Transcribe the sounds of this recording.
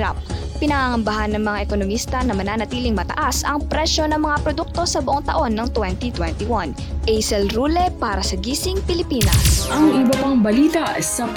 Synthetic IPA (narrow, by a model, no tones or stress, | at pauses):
ɾa̰p̚ː | ɪnɐŋaŋɐmbɐɦanːɐŋmɐŋaʔɛko̞nomist̪ɐnɐmɐnanɐt̪iːlɪŋmɐt̪ɐ̰ʔasɐŋpɾɛʃo̞nɐŋmɐŋapɾod̪uk̚t̪o̞sɐbʊʔoŋt̪ɐʔo̞nːɐŋt̪wɛnt̪it̪wɛnt̪iwan | ʔɛjsɛlɾulɛpaːɾɐsɐɡiːsɪŋpɪlɪpiːnɐ̰sʔɐŋɪbɐpaŋbɐliːt̪ɐʔsɐ